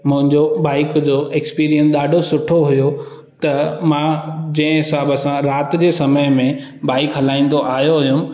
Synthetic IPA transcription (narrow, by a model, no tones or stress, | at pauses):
mʊ̃ɦɪ̃ɲd͡ʑoɓaːɪkd͡ʑoːʔekspiːɾijənsɗ̪aːɖʱosʊʈʰoɦʊjo | t̪ɐmãd͡ʑɐ̃ɦɪ̃ɦɪsaːbəsãɾaːt̪d͡ʑeːsɐməjmẽ | baːɪkɦɐlaːĩːn̆d̪oʔaːjoɦʊjʊm̆